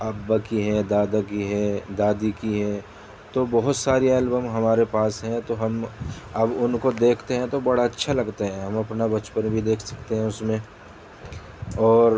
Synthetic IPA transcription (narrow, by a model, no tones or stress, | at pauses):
aːbːakiɦɛd̪aːd̪akiɦɛd̪aːd̪ikiɦɛ | t̪obɐɦʊt̪saːɾiɛːlbəmɦɐmaːɾepaːsɦɛ̃t̪oɦɐm | ɐbʊnkod̪eːkʰt̪eɦɛ̃t̪obɐɽaɐtːʃʰalɐɡt̪eɦɛ̃ɦɐ̃mɐpnabɐt͡ʃpənbʱid̪eːkʰsɐ̥kt̪eɦɛ̃ʊsmẽ | ɔːɾ